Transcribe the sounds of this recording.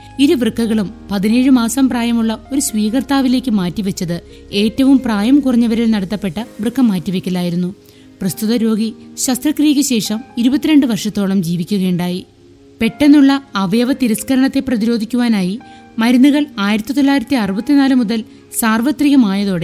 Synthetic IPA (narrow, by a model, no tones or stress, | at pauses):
iɾuʋrɨkːɐɣɐɭumpɐðine̞ːɻɨmaːsɐmpraːjɐmuɭːɐo̞ɾusʋiːɣɐrt̪aːʋile̞ːkʲːɨmaːtːiʋɐt͡ɕːɐðɨ | e̞ːtːɐʋumpraːjɐmkurɐɲːɐʋɐɾilnɐɽɐt̪ːɐpːe̞ʈːɐʋrɨkːɐmːaːtːiʋekʲːɐlːaːjiɾunːu | prɐst̪uðɐɾo̞ːɡiɕɐst̪rɐkrijkʲːɐɕe̞ːʂɐmiɾubɐt̪ːiɾe̞ɳɖɨʋɐrʂɐt̪ːo̞ːɭɐmd͡ʑiːʋikʲːuɣɐːɳɖaːji | pe̞ʈːe̞nːuɭːɐːʋɐjɐʋɐt̪iɾɐskɐɾɐɳɐt̪ːe̞prɐðiɾo̞ːd̪ʱikʲːuʋaːnaːji | mɐɾunːuɣɐɭaːjiɾɐt̪ːit̪o̞lːaːjiɾɐt̪ːiɐrubɐt̪ːinaːlɨmuðɐl | saːrʋɐt̪riɣɐmaːjɐðo̞ːɽe̞